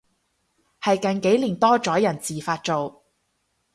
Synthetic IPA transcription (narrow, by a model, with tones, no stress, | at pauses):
hɐ˨jkɐ˨nke˨˥jliː˨˩nt̪ɔː˥t͡ʃɔː˨˥jɐ˨˩nt͡siː˨faː˧t̚t͡so˨w